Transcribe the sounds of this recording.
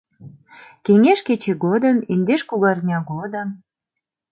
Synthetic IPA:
keŋeʃket͡ɕeɣod̪əmind̪eʃkuɣɑrnʲɑɣod̪əm

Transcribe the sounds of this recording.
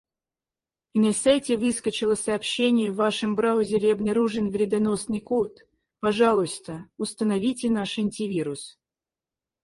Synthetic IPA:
inɐsajtʲɪvɨskət͡ɕɪlˠəsɐːpɕːenʲɪjəvːaʂɨmbɾaʊzʲɪɾʲɪɐbnɐɾuʐɨnvɾʲɪd̪ɐnosnɨjkot̪ | pɐʐalˠʊst̪əʊst̪ənɐvʲitʲɪnaʂɐnʲtʲɪvʲiɾʊs

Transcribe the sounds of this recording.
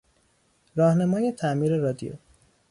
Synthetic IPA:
ɾɒːhnæmɒːjet̪ʰæmiːɾeɾɒːd̪ḭjo̰

